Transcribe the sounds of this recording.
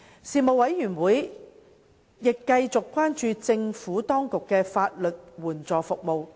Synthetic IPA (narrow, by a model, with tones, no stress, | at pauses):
siː˨˧mo˨wɐ˨˥jːyː˨˩nwuː˨˥j | jɪ˨kːɐ˧jt͡sʊ˨kːwaː˥nt͡ʃyː˧t͡sɪ˧ŋfuː˨˥t̪ɔː˥ŋkʊ˨kːɛː˧faː˧t̚lɵ˨t̚wuː˨˩nt͡sɔː˨˩fʊ˨k̚mo˨w